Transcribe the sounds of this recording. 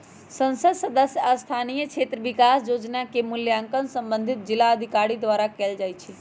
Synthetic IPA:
sə̃nsəd̪səd̪əsjəast̪ʰanijət͡ʃʰeːt̪ɾəʋɪkaːsd͡ʒoːd͡ʒnakemʊljaŋkənsə̃mbə̃nd̪ʱɪt̪̚d͡ʒɪlaəd̪ʱikaɾid̪ʋaːɾakeːld͡ʒaːjt͡ʃʰi

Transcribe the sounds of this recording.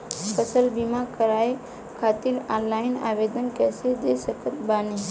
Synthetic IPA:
pʰəsəlbimakəɾaːe | kʰaːt̪ɪɾaːnlaːɪna̰ːʋeːd̪ənkɛːsed̪eːsəkət̪baːnẽ

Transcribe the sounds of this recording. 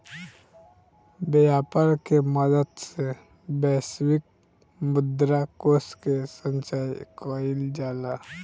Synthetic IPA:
bejaːpəɾkeməd̪əd̪se | bɛːswɪk̚ | mʊd̪ɾakoːskesə̃nt͡ʃaːjkɔːɪld͡ʒaːla

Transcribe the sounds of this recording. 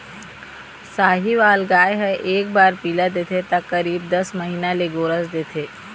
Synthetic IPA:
saːɦiʋaːlɡaːjɦəʔeːk̚baːɾpilad̪et̪ʰet̪akːəɾiːb̚d̪əsməɦiːnaleɡoːɾəsd̪et̪ʰe

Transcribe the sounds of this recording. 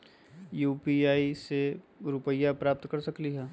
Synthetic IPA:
juːpiaːise | ɾʊpəjːapɾaːp̚t̪kɐɾsɐkliɦɛː

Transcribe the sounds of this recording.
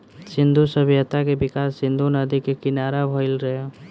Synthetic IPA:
sɪ̃nd̪ʱusəbjət̪akebɪkaːsːɪ̃nd̪ʱunəd̪ikekɪnaːɾabʱəɪlɾɐɦa

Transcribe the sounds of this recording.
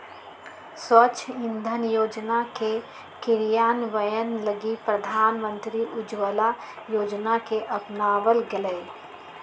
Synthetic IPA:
swət͡ʃʰɪ̃nd̪ʱənjoːd͡ʒnake | kɪɾjaːnʋəjənləɡipɾəd̪ʱaːnmə̃nt̪ɾiʔʊd͡ʒwəla | joːd͡ʒnakeʔɐpnaːʋəlɡələː

